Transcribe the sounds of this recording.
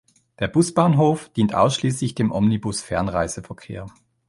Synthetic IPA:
d̥eːɐb̥ʊsb̥aːnɦoːfd̥iːntʔa̰ʊsʃliːslɪçd̥eːmʔɔmnibʊsfɛɐnʁa̰ɪz̥əfɛɐkʰḛːɐ

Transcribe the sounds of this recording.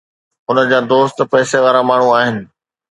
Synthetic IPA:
ɦʊnə̆d͡ʑaːd̪oːst̪pɛːseʋaːɾamaːɳ̤uaːɦɪnɪ̆

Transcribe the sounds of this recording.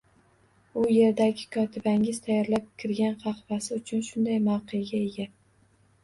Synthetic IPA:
ʊje̞ɾd̪aɡʲɪkʰɒt̪ʰɪbaŋʲɪz̥t̪ʰajɒɾlap̚kʲʰɪɾɡʲanqʰɑχvasɪʊt͡ʃʰʊnʃʊnd̪ajmɑwqɨjaɡʲae̞ɡʲa

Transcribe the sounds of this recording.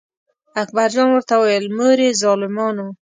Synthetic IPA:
ak̚baɾd͡ʒɑnwəɾt̪awajəlmoɾezɑlɪmɔno

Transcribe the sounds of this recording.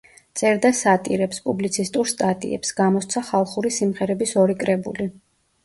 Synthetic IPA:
t̪sʼɛɾd̪asat̪ʼiɾɛpspʼublit̪sʰist̪ʼuɾst̪ʼat̪ʼḭɛ̰psɡamɔst̪sʰaχalˠχuɾisimʁɛɾɛbisɔɾikʼɾɛbṵli

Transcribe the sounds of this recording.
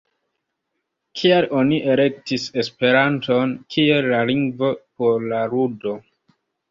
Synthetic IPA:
kʰialo̞niʔe̞le̞k̚tise̞spe̞ɾanto̞nkʰie̞llaliŋɡvo̞po̞ɾlaɾudo̞

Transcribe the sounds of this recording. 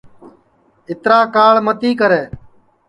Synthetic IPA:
ɪt̪ɾaːkaːɭmət̪iːkəɾeː

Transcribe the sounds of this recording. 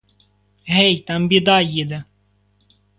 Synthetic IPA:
ɦɛjt̪ɑmbʲid̪ɑjid̪ɛ

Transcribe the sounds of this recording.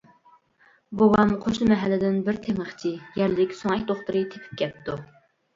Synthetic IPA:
bowɑmqʰoʃnɨmɛɦælːɪd̪ɪnbɪɾt̪ʰeməχt͡ʃʰijɛɾlɪkʲsoŋɛk̚ʲd̪oχt̪ʊɾɨt̪ʰepʰɪ̥p̚kʲʰɛpt̪u

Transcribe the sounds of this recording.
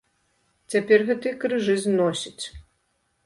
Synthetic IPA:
t͡sʲapʲɛrɣɛt̪ɨjkɾɨʐɨznɔsʲit͡sʲ

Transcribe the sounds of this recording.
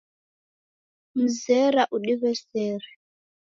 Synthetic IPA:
m̩zɛɾaʔuɗiβɛsɛːɾɛ

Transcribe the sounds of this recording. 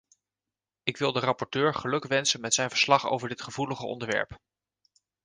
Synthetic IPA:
ɪkʋɪlˠdərɑpɔɹtøːɹχəlɵkʋɛnsənmɛtsɛjnvə̥ɹslɑχo̰wvəɹdɪtχəvuləχəɔ̰ndəɹʋɛ̰ɹp

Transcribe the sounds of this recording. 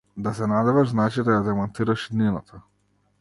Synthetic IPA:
d̪asɛnad̪ɛvaʒznat͡ʃid̪ajad̪ɛmɔnt̪iɾaʃid̪ninat̪ʰa

